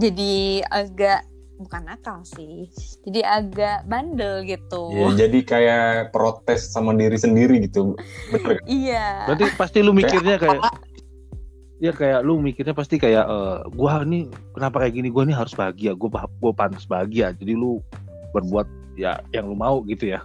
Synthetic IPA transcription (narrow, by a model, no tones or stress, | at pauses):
d͡ʒadiaɡaʔ | bukanakalsɪhd͡ʒadiʔaɡaʔbandəlɡit̪ujad͡ʒadikajapɾot̪ɛsːamandiɾisəndiɾiɡit̪ubəəkijabant̪ipast̪ilumikɪrɲakaja | ijakajaʔlumikɪrɲapast̪ikajaʔəːɡuainikənapakajaʔɡiniɡuaniɦaɾʊsbaɦaɡiaɡuapɡuapant̪asbaɦaɡiad͡ʒadilu | bərbuat̪̚ | ja̰jaŋlumauɡit̪uja